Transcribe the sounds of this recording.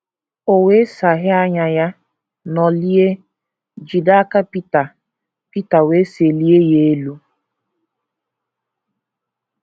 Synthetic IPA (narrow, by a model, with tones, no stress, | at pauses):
o˨we˦sa˨ɦɪ˦a˦ɲa˨ja˦ | nɔ˨li˦e˦ | d͡ʒi˨da˦ka˦pi˦ta˨ | pi˦ta˨we˦se˨li˦e˦je˦e˦lu˦